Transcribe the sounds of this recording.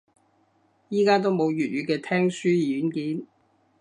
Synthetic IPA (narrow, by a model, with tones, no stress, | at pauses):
jiː˥kaː˥t̪o˥wmo˨˧wjyː˨˩t̚ɥyː˨˧kɛː˧t̪ʰɛː˥ŋsyː˥jiː˨jyː˨˥nkiː˨˥n